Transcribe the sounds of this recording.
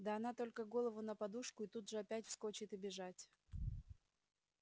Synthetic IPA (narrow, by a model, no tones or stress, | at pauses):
d̪əɐnat̪o̞lʲkəɡo̞lˠəvʊnəpɐd̪uʂkʊɪt̪ud̪ʐɨɐpʲætʲfsko̞t͡ɕɪt̪ɪbʲɪʐatʲ